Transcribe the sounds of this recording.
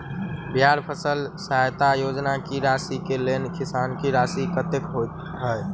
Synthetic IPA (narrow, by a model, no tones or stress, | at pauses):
bjaɾpʰəsəlsajt̪ajod͡ʒnakiɾasikelenkisankiɾasikət̪ekɦot̪ɦəj